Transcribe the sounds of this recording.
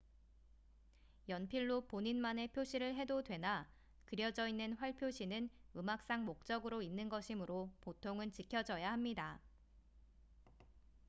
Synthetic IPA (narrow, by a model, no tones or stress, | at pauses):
jʌnpʰiɭːopoɲinmane̞pʰjoɕʰiɾɯɭɦe̞dodwe̞na | kɯɾjʌd͡ʑʌinːɯnɸwaɭpʰjoɕʰinɯnɯmak̚s͈aŋmok̚t͡ɕ͈ʌɡɯɾoinːɯnɡʌɕʰimɯɾopotʰoŋɯnt͡ɕikʰjʌd͡ʑʌjaɦamɲida